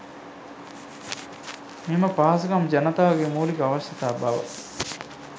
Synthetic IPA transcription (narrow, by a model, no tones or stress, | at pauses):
mimɐpaːsukɐmd͡ʒɐnɐt̪aːʋɐɡemuːlikaʋɐʃjɐt̪aːbaʋɐ̰